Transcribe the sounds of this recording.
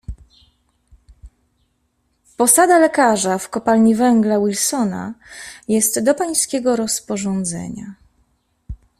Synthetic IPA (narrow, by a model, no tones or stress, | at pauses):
pɔsad̪alɛkaʐafkɔpalɲivɛŋɡlawilsɔna̰jɛst̪d̪ɔpaj̃skʲɛɡɔɾɔspɔʐɔnd̪zɛ̰ɲa̰